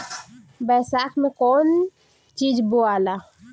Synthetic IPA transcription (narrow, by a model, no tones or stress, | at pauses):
bɛːsaːkʰmẽkɔːn | t͡ʃiːd͡ʒboala